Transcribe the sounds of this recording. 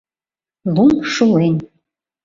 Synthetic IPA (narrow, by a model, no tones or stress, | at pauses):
lˠumʂulen